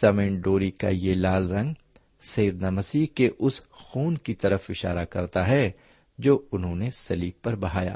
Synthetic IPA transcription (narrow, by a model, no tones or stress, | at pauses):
sɐmẽɖoːɾika̰jelaːlɾɐ̃ŋɡ | sɐjəd̪namɐsiːkeʔʊsxuːnkit̪ɐɾəfɪʃa̰ːɾakɐ̰ɾt̪aɦɛ | d͡ʒoːʊnɦõnesɐliːbpːɐɾbɐɦaːja̰ː